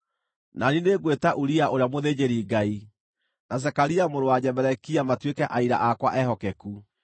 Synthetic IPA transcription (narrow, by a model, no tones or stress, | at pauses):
nanineɡwetaʔuɾiaʔoɾeamoðed͡ʑeɾiɡai | nas̬ɛkaɾiamoɾowaɲɛbɛɾɛkiamatwekɛʔaiɾa̰ʔakwaʔɛɦɔkɛku